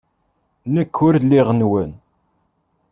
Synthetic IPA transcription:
nəkʰːʊɾlːiʁənwən

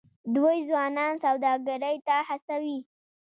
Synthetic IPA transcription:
d̪wojzwɑnɑnsawd̪ɑɡaɾəjt̪ahasawi

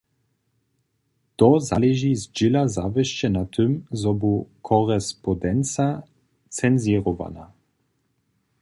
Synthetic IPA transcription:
t̪ɔzalɛʒizd͡ʒɪlazavɛʃt͡ɕɛnat̪ʰɘmzɔbukʰɔɾɛspɔd̪ɛnt͡sa | t͡sɛnziɾɔva̰na̰

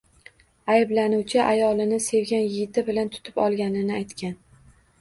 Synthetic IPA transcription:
ajɪblanuwt͡ʃʰɪʔajɒlˠɪnɪse̞wɡʲanjɪɡʲɪt̪ʰɪbɪlant̪ʰʊ̥t̪ʰɪ̥pɒ̰lˠɡʲanɪnɪajt̪kʲan

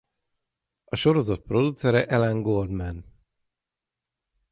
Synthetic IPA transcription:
ɒʃo̞ɾo̞zɒt̪̚pro̞d̪ut̪sɛɾɛʔɛlɛŋɡold̪mɛn

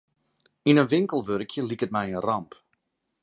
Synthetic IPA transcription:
inənʋɪŋkəlˠʋøɾkʰjəlikət̚mɛjənrɑmp

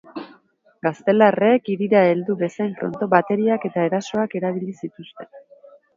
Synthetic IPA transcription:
ɡast̪e̞lare̞kiɾiɾae̞ld̪uβe̞saeɱfɾo̞̰nt̪o̞βat̪e̞ɾiake̞t̪ae̞ɾaso̞ake̞ɾaβ̞ilisit̪ust̪e̞n

